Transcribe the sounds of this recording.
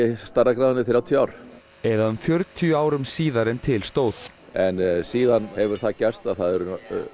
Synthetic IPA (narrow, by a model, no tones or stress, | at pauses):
ɛst̪arːakɾaðnɪθɪɾawt̪ʰijaːwɾ | ɛðaʏmfjœɾt̪ʰjaːwɾʏmsiːðaɾɛnt̪ʰɪlst̪oːwt̪ | ɛnsiːðanhɛvʏɾ̥θacɛr̥st̪aðθaðɛɾʏ